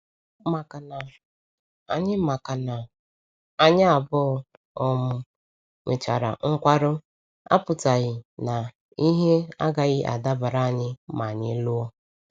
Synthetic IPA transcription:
ma˨ka˨na˨ | a˨ɲɪ˦ma˨ka˨na˨ | a˦ɲɪ˦a˨bʊ˦ | ɔ˦mʊ˦ | ŋʷe˨t͡ʃa̰˨ɾa̰˨ŋ̩˦kʷa˦ɾʊ˦ | a̰˦pʊ˨ta˨ɣɪ˨na˨ | i˦ɦe˦a˦ɡa˨ɣɪ˦ʔa̰˨da˦ba˨ɾa˦a˨ɲɪ˦ma˨ɲɪ˦lʊ˦ɔ˦

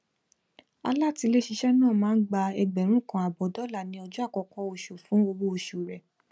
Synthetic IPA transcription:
a̰˧la˦˨ti˧le˦ʃi˧ʃɛ˦nãː˦˨mãː˨˦n̩˦ɡ͡ba˧ɛ˧ɡ͡bɛ˨ɾ̃ũ˦˨kã˧a˨bɔ˨˦dɔ˦la˦˨nĩ˧ɔ˧d͡ʒu˦a˦˨kɔ˧kɔ˦o˧ʃo˨fũ˨˦o˧wo˧o˨ʃu˨ɾɛ˨

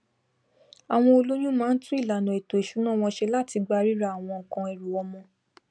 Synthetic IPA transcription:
a˨w̃ɔ̃˧o˧lo˦j̃ũ˦mãː˦n̩˦tũ˦i˦˨la˨nɔ̃˨e˨to˨e˨ʃu˨˦nãː˦˨w̃ɔ̃˧ʃe˧˦la˦ti˧ɡ͡ba˧ɾi˦ɾa˦˨a˨w̃ɔ̃˧˨kã˧e˨ɾu˨wɔ˧mɔ̃˧

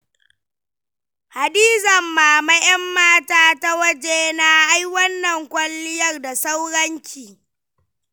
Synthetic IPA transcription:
ha˨diː˦zɐ˨mːaː˨mɐ˦jɐ˦mːaː˦taː˦ta˦wɐ˦d͡ʒeː˦na˦ʔa˦jwɐ˦nːɐ˨ŋkʷʼɐ˦lːɪ˦jɐ˦˨rda˨sa˦wɽɐ˦ɲt͡ʃʲiː˨

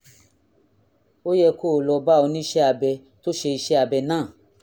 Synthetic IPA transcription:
o˦jɛ˧ko˦˨lɔ˧ba˦˨ɔ˧nĩ˦i˦ʃɛ˦a˨bɛ˧ | to˦ʃe˧i˧ʃɛ˦a˧˨bɛ˧nãː˦˨

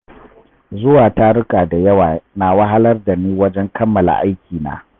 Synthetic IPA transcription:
zʊ˦waː˨ta˦ɽʊ˦kʼaː˨da˨jɐ˦waː˨naː˨wɐ˦ɦa˦lɐ˦rda˨niː˦wɐ˦d͡ʒɛ˦ŋkʰɐ˦mːɐ˨la̰˨ʔa˦jkʲiː˨na̰ː˦

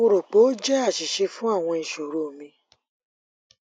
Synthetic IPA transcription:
o˧ɾo˨k͡po˨˦d͡ʒɛ˦a˦˨ʃi˨ʃe˧fũ˦a˦˨w̃ɔ̃˧i˨ʃo˨ɾo˨mĩ˧

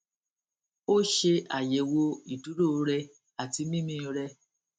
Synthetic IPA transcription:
o˦ʃe˧a˨je˨wo˧i˨tu˨˦ɾu˦˨˧ɾɛ˧ | a˨ti˧mĩ˦mĩ˦˧ɾɛ˧

